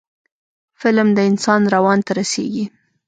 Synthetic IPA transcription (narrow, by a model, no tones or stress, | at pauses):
fɪlmd̪əɪnsɑnɾawɑnt̪aɾasḛɡi